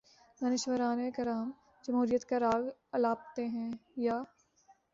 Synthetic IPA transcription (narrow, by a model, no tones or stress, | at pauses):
ɡɐnɪʃwəɾaːnekɐɾaːm | d͡ʒɐmɦuːɾijət̪kaɾaːɡɐlaːp̚t̪eɦɛ̃jaː